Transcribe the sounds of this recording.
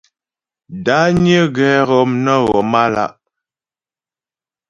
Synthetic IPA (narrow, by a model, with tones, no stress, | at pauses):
da˨˦ɲə˦ɣɛ˨˦ɣɔ˨mnə˦ɣɔ˨ma˦la̰˦ʔ